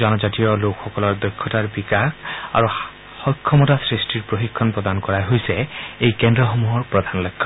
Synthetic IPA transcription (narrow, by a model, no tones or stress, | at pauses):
zɔnɔzatijɔlokxɔkɔlɔɹd̪ɔjkʰːɔtaɹbikaka̰ɹu | hɔjkʰːɔmɔtasɹistiɹpɹoxikʰːɔnpɹɔd̪ankɔɹaɦojsɛejkɛndɹɔxomuɦɔɹpɹɔd̪ʱanlɔjkʰːɔ